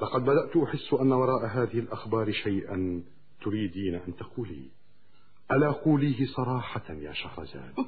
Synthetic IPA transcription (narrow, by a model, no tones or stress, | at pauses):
lɑqɑd̪̚bad̪aʔt̪ʔʊħɪsːʔanːawɑɾˤɑːʔaɦaːðɪhɪlʔaxbɑːɾʃajʔan | t̪ʊɾiːd̪iːnaʔant̪aquːlḭː | ʔalaːʔaquːliːɦɪsˤɑɾˤɑːħɑja̰ːʃahɾˤɑ̰za̰ːd̪